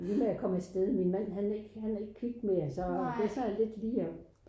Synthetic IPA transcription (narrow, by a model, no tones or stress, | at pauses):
liːmeækʰɒ̽mesd̥eðˠminmæn̰ɦæneɡ̥hæne̝ɡ̥kʰiɡ̥̚d̥me̝ɐsɒ̥̽e̝sɒnæle̝d̥liːɐ